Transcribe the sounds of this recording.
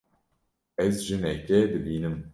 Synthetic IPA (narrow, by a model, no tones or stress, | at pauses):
ɛzʒɨnɛkɛd̪ɨbiːnɨm